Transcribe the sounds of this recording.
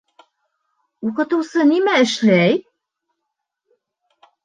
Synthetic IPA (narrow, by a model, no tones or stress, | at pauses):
uqɤ̆t̪ɤ̆wsɤnimæɘ̆ʃlæj